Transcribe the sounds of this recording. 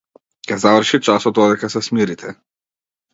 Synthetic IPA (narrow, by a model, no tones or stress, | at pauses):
kʲɛzavr̩ʃit͡ʃasɔd̪̚d̪ɔd̪ɛkasɛsmiɾit̪ʰɛ